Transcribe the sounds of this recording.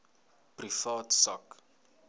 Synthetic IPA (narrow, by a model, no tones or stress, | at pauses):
prifɑːtsak